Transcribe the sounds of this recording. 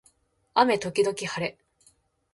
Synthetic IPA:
ame̞t̪o̞kʲid̪o̞kʲihaɾe̞

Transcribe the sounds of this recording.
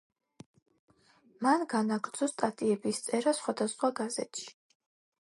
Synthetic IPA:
manɡanaɡɾd̪zɔst̪ʼat̪ʼiɛbist̪sʼɛɾasχwad̪asχwaɡazɛ̰t̪ʃi̥

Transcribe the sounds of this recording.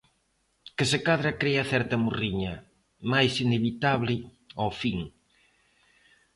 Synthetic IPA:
kɪsekaðɾɐkɾeɐθɛɾt̪ɐmuriɲɐ | majsineβit̪aβlɪ | ofiŋ

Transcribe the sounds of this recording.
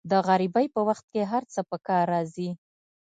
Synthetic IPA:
d̪əɣaɾibajpəwaxt̪̚keɦaɾt͡səpəkɑɾːɑzi

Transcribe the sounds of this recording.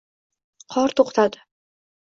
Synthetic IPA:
qʰɒɾt̪ʰoqt̪ʰad̪ɪ̥

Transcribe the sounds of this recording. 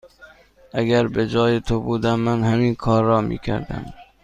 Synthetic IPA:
ʔæɡæɾbed͡ʒɒːjet̪ʰobuːd̪æmːænhæmiːnkʰɒːɾːɒːmḭːkʰæ̰ɾd̪æ̰m

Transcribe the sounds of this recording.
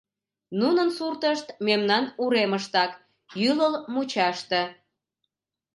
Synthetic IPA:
nunənsurt̪əʃt̪memnɑnuɾeməʃt̪ɑk | jyləlmut͡ɕɑʃt̪e

